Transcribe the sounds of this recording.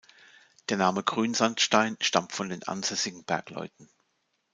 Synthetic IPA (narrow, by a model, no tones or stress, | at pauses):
d̥eːɐnaːməɡʁyːnzantʃtaɪnʃtamtfɔndeːnʔa̰nz̥ɛsɪɡŋ̩b̥ɛɐklɔ̰ʏtn̩